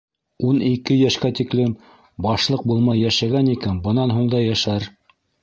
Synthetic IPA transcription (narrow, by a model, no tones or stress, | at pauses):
unikɘjæʃkæt̪iklɘm | bɑʃlˠɤq̚bulˠmɑjːæʃæɡænikænbɤ̆nɑnɦuɴd̪ɑjæʃæɾ